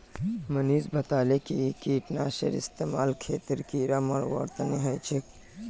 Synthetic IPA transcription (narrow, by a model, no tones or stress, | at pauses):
məniːzbʱət̪alekikiʈnasḛɾḭst̪emaːlkʰeːt̪ɾkiɾəməɾʋə̰ɾt̪əneɦəjt͡ʃʰek